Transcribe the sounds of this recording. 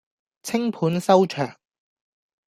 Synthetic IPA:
t͡sʰɪ˥ŋpʰuː˨˥nsɐ˥wt͡ʃʰœː˨˩ŋ

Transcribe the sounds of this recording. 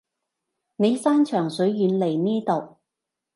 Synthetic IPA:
ne˨˧jsaː˥nt͡ʃʰœː˨˩ŋsɵ˨˥ɥjyː˨˧nle˨˩jniː˥t̪o˨˩w

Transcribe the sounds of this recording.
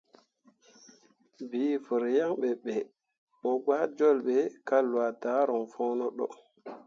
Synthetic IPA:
vi˨˦fə˨ɾja˦ŋɓɛ˨ɓɛ˨ | ɓɔ˨ɡaː˦d͡ʒɔ˦lɓɛ˨ka˦lwa˨ta˨˦ɾɔ˨ŋfɔː˦nɔ˦ɗɔ̰˦

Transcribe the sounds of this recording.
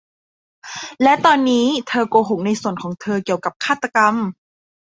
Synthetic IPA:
lɛ˦˥t̪ɔː˧nːiː˦˥t̪ʰɤː˧koː˧ɦo˨˩ŋ̚na˧jsu˨˩ənkʰɔː˩˦ŋt̪ʰɤː˧ki˨˩əwka˨˩p̚kʰaː˥˩t̪ːa˧ka˧m

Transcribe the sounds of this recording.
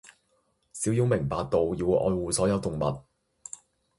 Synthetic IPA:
siː˨˥wjiː˧˥wmɪ˨˩ŋpaː˨k̚t̪o˨wjiː˧wʔɔ̰ː˧jwuː˨sɔː˨˥jɐ˨˧wt̪ʊ˨ŋmɐ̰˨t̚

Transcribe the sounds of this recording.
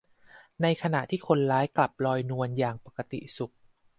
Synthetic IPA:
na˧jkʰa˧na˨˩ʔt̪ʰiː˥˩kʰo˧nlaː˦˥jkla˨˩p̚lɔː˧jnu˧ənjaː˨˩ŋpa˨˩kːa˧t̪ḭ˨˩su˨˩k̚

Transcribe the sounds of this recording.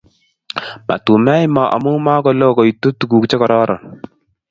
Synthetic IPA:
ma̰˨tu˨mɛ˦jmɔ˨ʔa̰˨mu˦ma˦kɔ˦lo˦kɔ˨i˨tːo˦tu˨ku˨kt͡ʃe˦kɔ˨ɾɔː˦ɾʔɔ̰˨n

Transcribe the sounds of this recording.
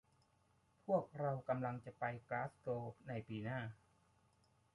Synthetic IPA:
pʰu˥˩ək̚ɾa˧wka˧mla˧ŋt͡ɕa˨˩pa˧jklaː˦˥st̪oː˧na˧jpiː˧naː˥˩

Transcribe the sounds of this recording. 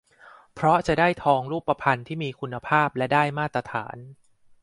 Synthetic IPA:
pʰɾɔ˦˥t͡ɕa˨˩daː˥˩jt̪ʰɔː˧ŋɾuː˥˩pːa˧pʰa˧nt̪ʰiː˥˩miː˧kʰu˧nːa˧pʰaː˥˩p̚lɛ˦˥daː˥˩jmaː˥˩t̪ːɾa˧t̪ʰa̰ː˩˦n

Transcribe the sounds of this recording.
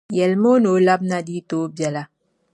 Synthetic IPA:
jɛ˨lmoː˦no˨˦la˦b̚na˦di˦to˨˦bja˨la˦

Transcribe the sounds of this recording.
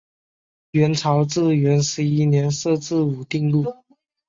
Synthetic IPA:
ɥɛ˧˥nt͡sʰɑ˧˥ʊt͡sɹ̩˥˩ɥɛ˧˥nʂɻ̩˧˥i˥˩njɛ˧˥nsɤ˥˧t͡sɹ̩˥˩u˨˩t̪i˥˧ŋlu˥˩

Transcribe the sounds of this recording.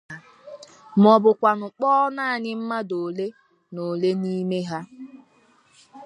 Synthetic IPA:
m̩˨ɔ˨bʊ˨kʷa˨nʊ˨k͡pɔː˦naː˦˨ɲɪ˦m̩˦ma˦do˨le˦ | no˨le˦ni˦me˦ɦa˦

